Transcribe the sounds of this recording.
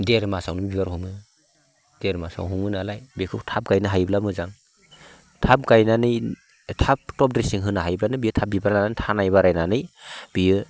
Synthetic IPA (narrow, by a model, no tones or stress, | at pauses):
deɾmasawnɯbibaɾhɔmɯ | d̥eɾmasa̰wɦuŋɯnalajbekʰɯktʰap̚ɡajnɯɦajblamɯzaŋ | tʰap̚ɡajnanɯj | tʰap̚tɔp̚dɾesiŋɦɯnaɦajblanɯbijɯtʰap̚bibaɾnanantʰanajbaɾajnanɯjb̥ijɯ